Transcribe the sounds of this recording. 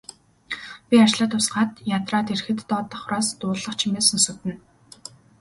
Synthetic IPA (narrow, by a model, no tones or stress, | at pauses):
pʲiat͡ɕɮaːt̪ʰːʊsɢaːt̪jat̪raːt̪erxɘ̆t̪ːɔːt̪ə̆χʊɾaːst̪ʊːɮə̆χt͡ɕʰimeːsɵ̆nsut̪ɘ̆n